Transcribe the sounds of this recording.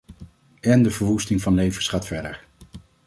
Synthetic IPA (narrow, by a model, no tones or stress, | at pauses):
ɛndəvəɹʋustɪŋvɑnlejvəsχaːtfɛɹdəɹ